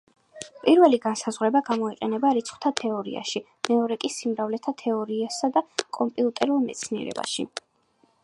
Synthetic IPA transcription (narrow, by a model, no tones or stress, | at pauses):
pʼiɾvɛliɡansazʁwɾɛbaɡamɔiqʼɛnɛbaɾit̪sʰχw̥t̪ʰat̪ʰɛɔɾḭa̰ʃi | mɛɔɾɛkʼisimɾavlɛt̪ʰat̪ʰɛɔɾiasad̪akʼɔmpʼiut̪ʼɛɾulˠmɛt̪sʰniɛ̰ɾɛ̰ba̰ʃi